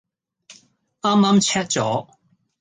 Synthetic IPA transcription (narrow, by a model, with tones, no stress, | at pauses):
aː˥mːa˥mt͡ɕʰɛ˥t̚t͡ɕɔ˨˦